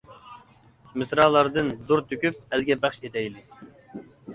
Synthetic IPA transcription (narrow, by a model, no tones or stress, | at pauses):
mɪsɾɑːlˠɑɾd̪ɨnd̪uɾt̪ʰøkʲyp̚ɛlɡʲɛbæχʃet̪ʰɛjlɪ